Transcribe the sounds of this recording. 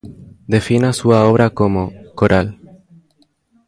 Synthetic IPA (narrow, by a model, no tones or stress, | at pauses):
d̪e̞finasuaoβ̞ɾakomokoɾʔal